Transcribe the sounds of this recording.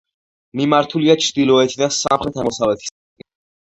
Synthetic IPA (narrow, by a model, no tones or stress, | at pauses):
mimaɾt̪ʰuliat͡ʃʰɾd̪ilˠɔɛt̪ʰid̪ansa̰mχɾɛt̪ʰamɔsavlɛt̪ʰi̥s | i